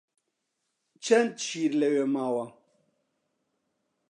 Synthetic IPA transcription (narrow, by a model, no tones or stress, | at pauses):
t͡ʃɐntt͡ʃiːɾlewemaːwa